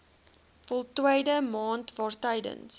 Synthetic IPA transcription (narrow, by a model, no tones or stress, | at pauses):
fɔlˠtwəjdəmɑːntvɑːrtəjdə̰ns